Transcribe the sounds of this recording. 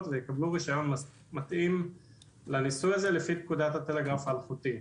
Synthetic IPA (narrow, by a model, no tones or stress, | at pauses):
t̪vejekabluʁiʃajo̞n | mat̪ʔim | lanisujaze̞lefitkudat̪hatele̞ɡʁafaaːlχut̪i